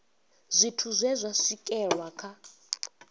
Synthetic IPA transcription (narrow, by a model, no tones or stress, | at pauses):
zʷitʰuzʷɛzʷasikʼɛɺwakʰa